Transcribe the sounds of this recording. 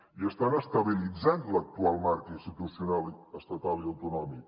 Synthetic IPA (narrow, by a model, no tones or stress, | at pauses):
iəst̪anəst̪əβilid͡zant̪lək̚t̪ualˠmaɾkinst̪it̪usiunaləst̪ət̪aliəwt̪unɔmik